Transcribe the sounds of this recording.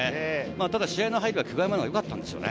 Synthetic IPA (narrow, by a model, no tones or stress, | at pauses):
maːt̪ad̪aɕiaenoɦaiɾʲɯβakʰɯ̟ɡaemanajo̞kat̪ːã̰nd̪e̞sɨio̰nḛ